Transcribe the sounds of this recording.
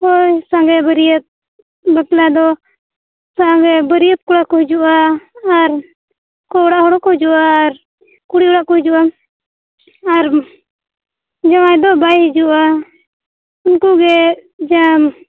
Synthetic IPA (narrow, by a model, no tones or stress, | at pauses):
ojsãŋɡɛbəɾijət̪̚ | baklad̪ɔ | saɡɛbəɾijət̪̚kuɽakɔɦud͡ʒuʔaː | ɾ | kɔɔɽaʔhɔɽɔkɔd͡ʒuʔaːɾ | kuɽiɔɽaʔkɔhid͡ʒuʔa | aɾ | d͡ʒamajd̪ɔbajɦɛd͡ʒuʔa | unkuɡɛd͡ʒam